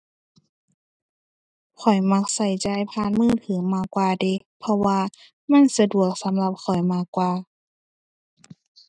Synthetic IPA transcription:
kʰɔ˨˩jma˧˥k̚sa˧˩jt͡ɕa˧jpʰaː˧˨nmɯː˧˥˨t̪ʰɯː˨˦maː˧˩kwaː˧de˧˩ | pʰɔ˧waː˧ | ma˧˥˨nsa˧du˨˩ək̚sa˨˦mla˧˦p̚xʰɔ˨˩jmaː˧˩kwaː˧

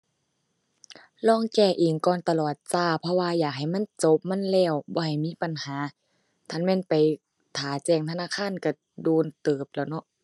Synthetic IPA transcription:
lɔː˧˥˨ŋkɛː˧˩ʔiː˨˩ŋkɔː˧˨nt̪a˧lɔː˨˩t̪̚saː˧˩pʰɔ˧waː˧jaː˨˩k̚ha˨˩jma˧˥˨nt͡ɕo˧˦p̚ma˧˥˨nlɛː˧˩˨wbɔː˧ha˨˩jmiː˧˥˨pa˨nhaː˨˦ | t̪ʰa˧˥˨nmɛː˧˥˨npa˨j | t̪ʰaː˨˦t͡ɕɛː˧˩ŋt̪ʰa˧naː˧˥˨kʰaː˧˥˨nka˧˩ | doː˧˩nt̪ɤː˨˩p̚lɛː˧˩wnɔ˧ʔ

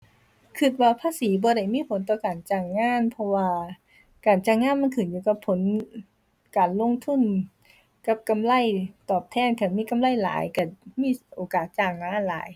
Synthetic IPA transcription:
kʰɯ˧t̪̚waː˧pʰaː˧˥˨siː˨˩˦bɔː˨˧˦ɾa˧˩jmiː˧˥˨pʰo˨˦nt̪ɔː˧kaː˨˩nt͡ɕaː˧˩ŋːaː˧˥˨npʰɔ˧waː˧ | kaː˨˩nt͡ɕaː˧˩ŋːaː˧˥˨nma˧˥nkʰɯː˨˩˦njuː˧˩ka˧˩pʰːo˨˩˦n | kaː˨˩nlo˧˥˨ŋt̪ʰu˧˥˨n | ka˧˥p̚ka˧˨mla˧˩˨jt̪ɔː˨˩p̚t̪ʰɛː˧˥˩nka˧˩miː˧˥˨ka˧˨mla˧˥˨jla̰ː˨˩˦jka˧˩miː˧˥˨ʔoː˨˩kaː˨˩t̪̚t͡ɕaː˧˩ŋlaː˧˦ʔa˧˨laː˨˩˦j

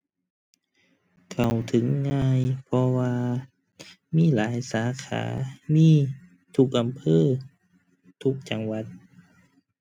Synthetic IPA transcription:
kʰa˨˩wt̪ʰɯ˨˦ŋːaː˧jpʰɔ˧waː˧ | miː˧˥˨laː˩˦jsaː˩˦kʰa̰ː˩˦miː˧˥˨ | t̪ʰu˧˩k̚ʔa˨mpʰɤː˧˥˨ | t̪ʰu˧˥k̚t͡ɕa˨˧˩ŋwa˧˦t̪̚

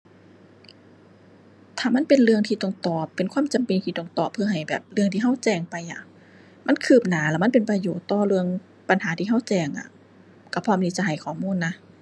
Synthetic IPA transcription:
t̪ʰaː˧˩ma˥˨npe˨nlɯ˧əŋt̪ʰiː˧t̪ɔ˧˩ŋt̪ɔː˨˩pːe˨nkʰwa˧˥˨mt͡ɕa˨mpe˧˨nt̪ʰiː˧t̪ɔ˧˩ŋt̪ɔː˨˩pʰːɯ˧ɐɦa˨˩jbɛ̰ː˨˩p̚lɯ˧əŋiː˧ɦa˧˥˩wt͡ɕɛː˧˩ŋpa˨jʔa˨˩ | ma˧˥˨nkʰɯː˨˩p̚naː˨˩˦lɛ˧˩ma˧˥˨pe˨npɾa˧joː˨˩t̪ːɔː˧˩lɯ˧əŋ | pa˧˨nɦaː˨˦t̪ʰiː˧ɦa˧˥˩wt͡ɕɛː˧˩ŋʔa̰˨˩ | ka˧˩pʰɔː˧˨mt̪iː˧˩t͡ɕa˧˨ɦa˨˩jkʰɔː˨˩˦muː˧˥˨nːa˧

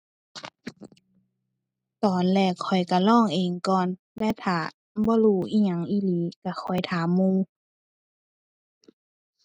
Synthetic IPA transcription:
t̪ɔː˨˦nlɛː˧˩kʰɔ˨˩jka˨˧˩lɔː˥˨ŋʔeː˨ŋkɔː˧˨n | lɛː˧˥˨t̪ʰaː˧˩ | bɔː˧˦luː˧˩ʔiː˧˨ɲa˧˦ŋʔiː˧˨liː˨˦ka˧˩xʰɔ˨˩jt̪ʰaː˨˦mːuː˧˨

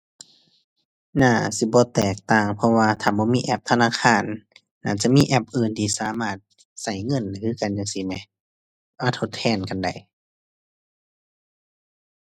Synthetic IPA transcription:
naː˧˩si˧˦bɔː˧˦t̪ɛː˨˩k̚t̪aː˧˩ŋpʰɔ˧waː˧t̪ʰaː˧˨bɔː˧˦miː˧˨ʔɛ˧˩p̚t̪ʰa˧naː˧˨kʰaː˧˥˨nː | aː˧˩t͡ɕa˧˦ʔmiː˧˥˨ʔɛ˧˩p̚ʔɤː˧˩nt̪ʰiː˧˨saː˧˦maː˧˩t̪̚ | sa˧˩jŋɤ˧˥˨n˨˩kʰɯː˧˨ka˨njaː˧ŋsi˧˦ma˧˦ | ʔa˧˩t̪ʰo˧t̪ʰːɛː˧˩˨nka˨nda̰˨˩j

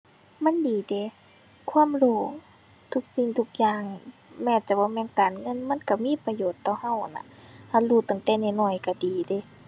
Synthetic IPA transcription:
ma˧˥˨ndiː˨˩de˨˦ | kʰwa˧˥˨mloː˧˩ | t̪ʰu˧k̚si˧˨ŋt̪ʰu˧k̚jaː˧˩ŋmɛː˧˩˨t͡ɕa˨˧˦bɔː˧˨mɛː˧˨nkaː˨nŋɤ˧˥˨nma˧˥˨nka˧˩miː˧˥˨pa˧joː˨˩t̪ːɔː˧˩ha˧˩˨wa˨na̰˧ha˧˨nluː˧˩t̪a˨˩ŋt̪ɛː˧˩nɛ˧˩nɔː˧˩˨jka˧˩diː˨˩de˧˨˦

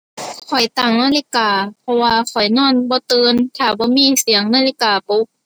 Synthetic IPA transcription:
kʰɔ˨˩jt̪a˨˩ŋnaː˧˥˨li˧˥˧kaː˨˩pʰɔ˧waː˧kʰɔ˨˩jnɔː˧˥˨nbɔː˧˦t̪ɯː˧nk̪ʰaː˧˩bɔː˧˦miː˧˥˨si˨˩˦əŋnaː˧˥li˧˩kaː˨˩po˧˦˥k̚

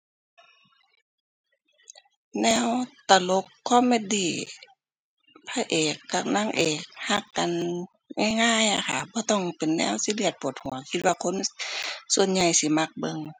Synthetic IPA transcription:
nɛː˧˥˨wt̪a˧lo˧˥kʰːɔ˧˥˨me˧diː˧˩ | pʰa˧ʔeː˨˩kːa˧˩k̚naː˧˥˨ŋʔeː˨˩k̚ha˧˥˨kːa˨n | ŋaː˧˥˨jŋaː˧˥˨ja˧˩kʰa˧˩bɔː˧˦t̪ɔ˧˩ŋpe˨nːɛ̰ː˧˥˨wsi˧˦lɯ˧ət̪̚pʰo˨˧˩t̪̚hu˨˦ɐkʰi˧t̪̚waː˧kʰo˧˥˨nsu˧ənɲa˧˩jsi˧˦ma˧k̚bɤ˧˨ŋ

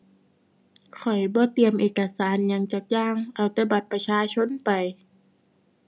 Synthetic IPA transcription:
kʰɔ˨˩jbɔː˧˦t̪i˨˩əmʔeː˨˩ka˧saː˨˦nɲa˧ŋt͡ɕa˧˩k̚jaː˧˥˨ŋʔa˧˩wt̪ɛː˧˩ba˧˩t̪̚pa˧t͡ɕʰaː˧˥t͡ɕʰo˧˥˨npa˨˩j

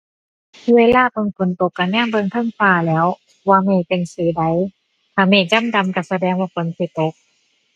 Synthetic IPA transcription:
tʰi˧weː˧˨laː˧˥˨pɤ˧ŋkʰo˨˦nt̪o˧˦kːa˧˩nɲaː˥˨ŋbɤː˧˨ŋt̪ʰɤ˧˥˨ŋfaː˧˩lɛː˨˦˥w | waː˧meː˧˩pe˧˩nsiː˨˦da˨˦j | k̪ʰaː˧˩meː˧˩t͡ɕa˧˥˨mda˧˨mka˧˩sa˧dɛː˧ŋwaː˧˩kʰo˨˦nsi˧˩t̪o˨˧˦k̚

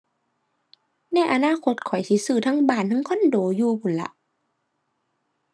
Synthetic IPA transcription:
nɛ˧˩˨ʔa˨˧˦naː˧˥˨kʰo˧˦t̪̚kʰɔ˨˩˦jt̪ʰiː˧˦sɯː˧˩t̪ʰaː˧˥˨ŋbaː˧˩˨nt̪ʰaː˧˥˨ŋkʰɔ˧˥˨ndoː˨˦juː˧kʰu˨˩˦nla̰˧˦ʔ

